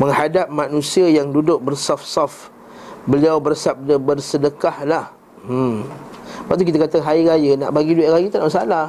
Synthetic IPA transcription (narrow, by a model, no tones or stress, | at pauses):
məŋhadap̚mãnũsiajaŋdudʊk̚bərsafsɔf | bəliawbərsab̚dəbərsədəkahlah | baʔ̚t̪ukit̪akat̪əɦaiɾajəna̰ʔbaɡiduaʔɾajit̪anməsalah